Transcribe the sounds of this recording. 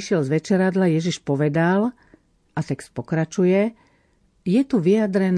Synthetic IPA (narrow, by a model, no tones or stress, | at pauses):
iʃɪɛlzʋɛt͡ʃɛɾad̪lajɛʒiʃpɔʋɛd̪al | ʔasɛkspɔkɾat͡ʃujɛ | jɛt̪uʋijad̪ɾɛn